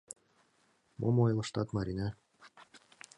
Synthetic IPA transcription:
mʔo̰mojlˠɤ̆ʃt̪ɑt̪mɑɾʲinɑ

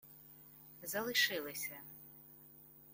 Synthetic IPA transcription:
zɐlˠɨʂɨlˠɨsʲɐ

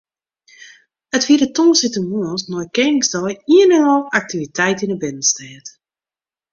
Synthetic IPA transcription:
ətfiəɾətoːsɪtəmuəsnɔjkɛnsdɔjiənənɔlˠak̚tivitɛjtinəbɪnənstɛːt

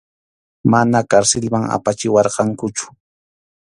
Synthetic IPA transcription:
manakaɾsɪlmaŋa̰pat͡ʃɪwɑɾqɑŋkʊt͡ʃʊ̥

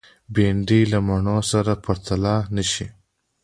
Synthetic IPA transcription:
beɳɖilamaɳosaɾapɐɾt̪alanəʃi

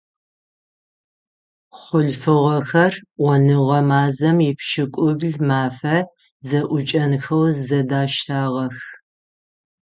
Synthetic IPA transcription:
χʷʊɮfɨʁɐxɐrwʷɔnɨʁɐmaːzɐmjɪpʃɪkʷʼʊbɮmaːfɐ | zɐʔʷʊt͡ʃʼɐnxɐwzɐdaːʃtʰaːʁɐx

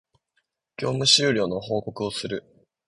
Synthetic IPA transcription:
kʲo̞ːmɯ̟ɕɨːɾʲo̞ːno̞ho̞ːko̞kɯ̟o̞sɨɾɯ̟

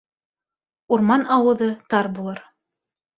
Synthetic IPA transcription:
uɾmɑnɑwɤ̆ðɤt̪ɑɾbulˠɤɾ

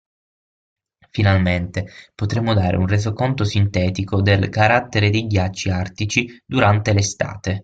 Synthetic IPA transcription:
finalment̪epot̪ɾemːod̪aːɾḛunrezokont̪osint̪ɛːt̪ikod̪elkaɾat̪ːeɾed̪ejɡjat͡ʃːiart̪it͡ʃid̪uɾant̪elest̪a̰ːt̪e

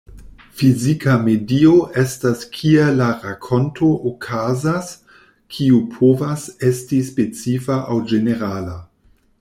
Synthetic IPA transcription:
fizikʰamedioʔe̞staskʰielaɾakʰo̞nto̞ʔokʰazas | kʰiupʰovasestispet͡sifaʔawd͡ʒeneɾala

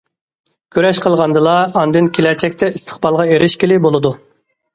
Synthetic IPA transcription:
kʲʰøɾɛʃqʰəlˠʁɑnd̪ɨlˠɑɑnd̪ɨnkʲʰelɛt͡ʃʰɛkʲt̪ʰɛist̪ʰə̥χbɑlˠʁɑeɾʔɪʃkʲelɪbolˠɨd̪u

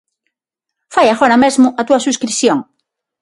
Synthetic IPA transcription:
fajaɣoɾamezmʊʔat̪uasuskɾiθjoŋ

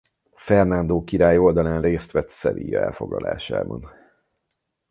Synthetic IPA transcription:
fɛrnand̪oːkiɾaːjo̞ld̪ɒlaːnreːst̪ʋɛt̪sɛlḭjɛlfo̞ɡlɒla̰ːʃa̰ːbɒn

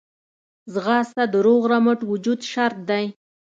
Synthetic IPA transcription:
zɣɑst̪ad̪əɾoɣɾaməʈwʊd͡ʒud̪ʃaɾt̪̚d̪aj

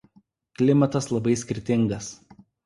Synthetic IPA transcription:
klʲɪmɐt̪ɐslˠɐbɐɪsʲkʲɪɾʲt̪ʲɪŋɡɐs

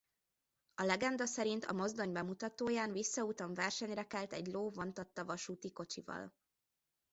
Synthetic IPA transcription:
ɒlɛɡɛnd̪ɒsɛɾint̪ʰɒ̰mo̞zd̪o̞ɲbɛmut̪ɒt̪oːjaːnvisːɒut̪ɒɱvɛrʃɛɲrɛkɛlt̪ɛɟloːvo̞nt̪ɒt̪ːɒvɒʃuːt̪iko̞t͡ʃivɒ̰l

